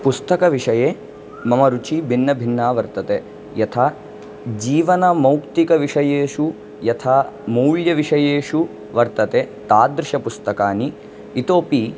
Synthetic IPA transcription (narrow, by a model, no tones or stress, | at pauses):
pust̪ɐkɐʋiʂɐjeː | mɐmɐɾut͡ʃibʱinːɐbʱinːaːʋɐɾt̪ɐt̪eː | jɐt̪ʰaː | d͡ʒiːʋɐnɐmɐwkt̪ikɐʋiʂɐjeːʂu | jɐt̪ʰaːmuːɭjɐʋiʂɐjeːʂu | ʋɐɾt̪ɐt̪eːt̪aːd̪ɾɪʃɐpust̪ɐkaːniː | t̪oːpi